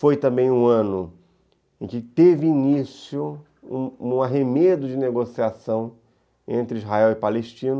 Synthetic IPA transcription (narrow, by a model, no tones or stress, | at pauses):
fojt̪ɐ̃mbẽj̃ũɐ̃nʊ | ẽkɪt̪evɪinisjʊ | ũũaɦemed̪ʊd͡ʒɪneɡosiasɐ̃w̃ | ḛ̃nt̪ɾɪizɦaɛwɪpaleʃt͡ʃĩnɐ